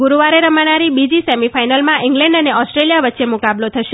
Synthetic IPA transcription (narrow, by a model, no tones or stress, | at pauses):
ɡuɾuʋaɾeɾəmanaɾibid͡ʒisemifajnəlmãʔɪŋɡlɛ̃ɳɖəneɔsʈɾelijaʋətːʃemukablot̪ʰəʃe